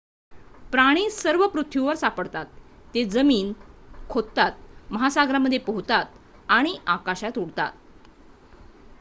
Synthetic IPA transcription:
pɾaɽ̃iːsəɾʋəpɾut̪ʰjiʋəɾsapəɽt̪at̪ː | ed͡zəmiːnkʰod̪t̪at̪̚məɦasaɡɾaməd̪ʱːjepəɦut̪at̪ | aɽ̃iʔakaɕat̪uɽt̪a̰t̪̚

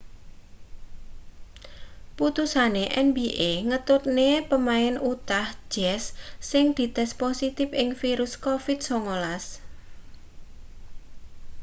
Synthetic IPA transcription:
put̪usaneʔɛnbiʔeŋət̪ʊt̪̚nepəmaɪnut̪ahd͡ʒ̥ɛsːɪŋd̪̥i̤t̪ɛsposit̪ɪfɪŋfiɾʊskofɪt̪̚soŋolas

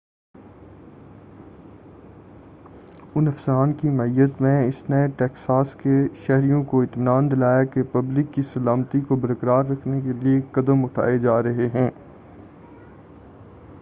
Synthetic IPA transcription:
ʊnɐfsəɾaːnkimɐijət̪mẽɪsneʈɛːksaːskeʃɛɦɾijõkoɪt̪mɪnaːnd̪ɪlaːjakepɐblɪkːisɐlaːmt̪ikobɐɾkəɾaːɾːɐkʰnekeliekɐd̪əmʊʈʰa̰ːed͡ʒaːɾɐɦeɦɛ̃ː

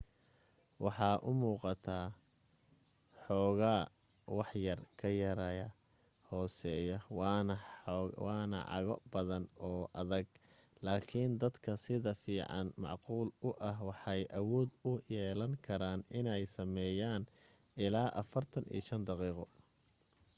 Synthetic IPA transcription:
wɑħɑːʔʊmuːqɑt̪ʰaː | ħɔːɣaː | wɑħjɐrkʰɐjɐɾɐjɐ | hɔːsɛːjɐwnɐwɑːnɐ̰ʕɑ̰ɣɔ̰bɐðɐnɔːʔɐðɐɡ | laːkʰɪnd̪ɐd̪kʰɐsɪðɐfiːʕɑ̰nmɑ̰ʕquːlʊʔɐɦwɑħɑjʔɐwɔːd̪ʊjɛːlɐŋkʰɐɾaːnɪnɛjsɐmɛːjaːn | ʔɪlaːʔɐfɐrt̪ʰɐnḭːʃɐnd̪ɑqiːqɔ

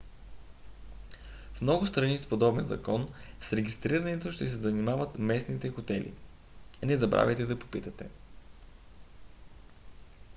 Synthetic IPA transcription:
fmnɔɡʊst̪ɾɐnispod̪ɔbɛnzɐ̰kɔnsɾɛɡʲist̪ɾiɾɐnɛt̪oʃt̪ɛs̬ɛzɐnimavət̪mɛsnit̪ɛxot̪ɛlḭ | nɛzɐbɾʔa̰vʲɛjt̪ɛd̪ɐpo̥pit̪ɐt̪ɛ

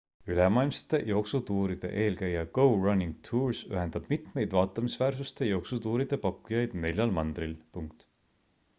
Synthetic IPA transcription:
ylɛmɑjlmsɑ̥t̪e̞jo̞ːksut̪uːɾid̪̥e̞̰ʔe̞ːlkæjːɑɡo̞wrɑnʲːiŋɡ̥̚t̪ʰuːɹsy̰ɦe̞nd̪̥ɑb̥mit̪me̞jd̪vɑːt̪ːˑɑmisvæːrsust̪e̞jo̞ːksut̪uːɾid̪̥e̞pɑkːujɑjd̪̥ne̞lʲjɑlmɑnd̪̥ɾilpuŋkt̪

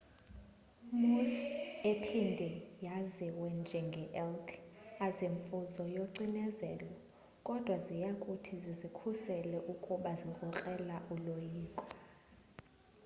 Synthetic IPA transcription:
musepʰindʱɛjaziwɛnd͡ʒʱɛŋɡʱɛʔɛlkʰazeɱfuzɔjoǀinɛzɛːlɔ | kʼɔd̥ʱwazijakʼutʰizizikʰusɛlɛʔukʼuɓazirʼɔkʼɛlaʔulojiːkʼɔ̥

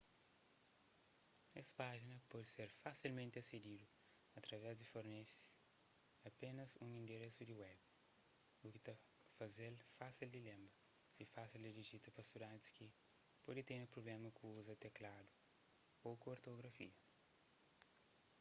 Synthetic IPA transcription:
ɛsɐ̥paʒinɐpɔd̪iseɾfasilmẽnt̪ɐsed̪id̪u | ɐt̪ɾɐvɛzd̪ifoɾnesi̥ | ɐpenɐzũŋĩnd̪eɾesud̪iwɛb | ukit̪ɐ | fɐzelfasild̪ilẽmbɐ | ifasild̪id̪iʒit̪ɐpɐsid̪ad̪iski | pɔd̪it̪enɐpɾoblɛmɐkũuzɐt̪eklad̪u | okoɾt̪oɡɾɐfḭɐ

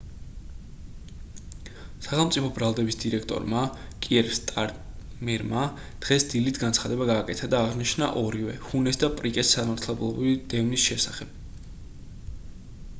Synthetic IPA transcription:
saχɛlˠmt̪sʼipʰɔbɾalˠd̪ɛbisd̪iɾɛkʰt̪ʼɔ̰ɾmakʼiɛɾfst̪ʼaɾ | mɛɾma | d̪̥ʁɛsd̪ilit̪ʰɡant̪sʰχad̪ɛbaɡaːkʼɛt̪ʰad̪aːʁniʃna̰ʔɔɾivɛ̰hunɛsd̪apʼɾikʼɛsːamaɾt̪ʰlɛblˠɔbɾiid̪̥ɛvnisʃɛsaχɛb̥

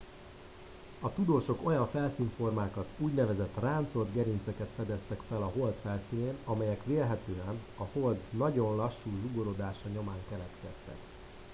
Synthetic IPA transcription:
ɒt̪ud̪oːʃo̞ko̞jɒɱfɛlsiːɱfo̞rmaːkɒt̪uːɟnɛvɛzɛt̪ːraːnt̪so̞ld̪ɡɛɾint̪sɛkɛt̪fɛd̪ɛst̪ɛkfɛlɒɦo̞lt̪fɛlsiːneːnɒmɛjɛkʋeːlɦɛt̪øːɛn | ɒho̞ld̪nɒɟo̞nlɒʃːuːʒuɡoɾod̪aːʃɒɲo̞maːŋkɛlɛt̪kɛst̪ɛ̰k

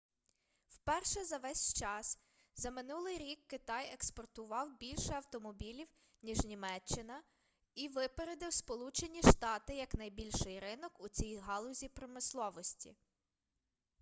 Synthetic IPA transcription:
wpɛrʃɛzɐʋɛsʲt͡ʃɑs | zɐmɪnulˠɪjɾʲikːɪt̪ɑjekspɔrt̪ʊʋɑwbʲilʲʃɛɐwt̪ɔmɔbʲilʲiw | nʲiʒnʲimɛt͡ʃːɪnɐ | iʋɪpeɾed̪ɪwspɔlˠut͡ʃenʲiʃt̪ɑt̪ɪjɐknɐjbʲilʲʃɪjɾɪnɔkʊt͡sʲijɦɑlˠʊzʲipɾɔmɪslˠɔʋɔsʲtʲḭ

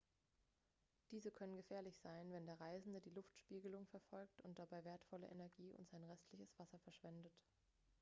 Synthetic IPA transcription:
d̥iːzəkʰœnənɡəfɛːɐlɪçz̥aɪnvɛndeːɐʁaɪzn̩dədiːlʊftʃpiːɡəlʊŋfɛɐfɔlk̚tʊnt̚d̥abaɪveːɐtfɔlə̰ʔenɛɐɡiːʊ̰ntz̥aɪnʁɛstʰlɪçəsv̥asɐfɛɐʃv̥ɛndət

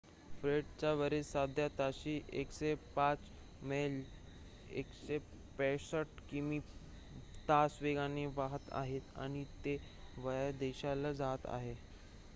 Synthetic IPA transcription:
fɾeʈt͡ɕaʋəɾesad̪ʱjat̪aɕiʔekɕepat͡s | mel | ḛkɕe | pɛ̃səʈ̚kii | t̪asʋeɡaneʋaɦət̪a̰ɦet̪a̰ɽ̃it̪eʋəjd̪eɕalad͡zat̪a̰ɦe

